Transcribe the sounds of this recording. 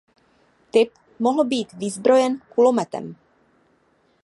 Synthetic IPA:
t̪ɪp̚ | moɦl̩biːt̪vɪzbɾo̞jɛnkulomɛt̪ɛ̰m

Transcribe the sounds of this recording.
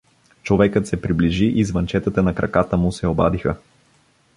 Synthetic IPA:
t͡ʃovɛkət̪sɛpɾibliʒiʔizvɐnt͡ʃɛt̪ət̪ənɐkɾɐkat̪əmusɛobad̪ixə

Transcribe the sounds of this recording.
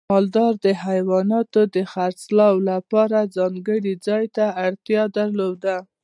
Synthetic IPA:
mɑld̪ɑɾd̪əhajwɑnɑt̪od̪əxaɾt͡slɑwlapɑɾazɑŋɡəɽid͡zɑjt̪aːɽt̪jɑd̪aɾlod̪a

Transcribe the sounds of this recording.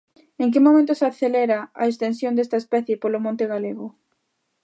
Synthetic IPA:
eŋk̬ɪmomẽnt̪ʊsaθelɛɾaa̰ekst̪ensjond̪est̪aespɛθjepolomõnt̪eɣaleɣʊ

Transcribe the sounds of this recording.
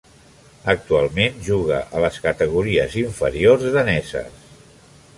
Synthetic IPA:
ək̚t̪ualˠmenʒuɣ̞əʔələskət̪əɣuɾiəziɱfəɾiorzðənɛzə̰s

